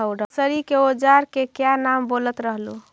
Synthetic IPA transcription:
əwɖʱəsəɾikeod͡ʒaɾkekjanambolət̪ɾəɦlu

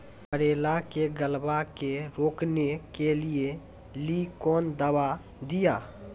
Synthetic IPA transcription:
pəɾeːlakeɡəlbakeɾoːknekelie | likɔːnd̪əwa | d̪ija

